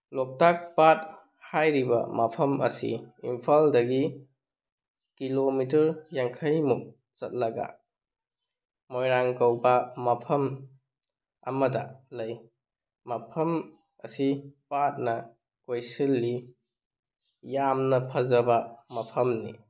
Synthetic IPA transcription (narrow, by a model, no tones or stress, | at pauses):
lok̚tak̚pat̚ | hajɾibɐ̰mɐpʰɐmɐ̰sḭimpʰaldɐɡi | kilomitɐɾjaŋkʰɐjmuk̚ | t͡ʃɐt̚lɐɡa̰ | mojɾaŋkɐwbɐmɐpʰɐm | ɐmɐdɐlɐj | mɐpʰɐm | ɐ̰sipat̚nɐ | kojsilːi | jamnɐpʰɐzɐbɐmɐpʰɐmnḭ